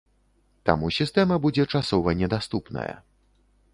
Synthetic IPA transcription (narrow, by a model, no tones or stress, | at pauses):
t̪a̰musʲist̪ɛmɐbud͡zʲɛt͡ʂasɔvɐnʲɛd̪ast̪upnɐ̰jɐ̰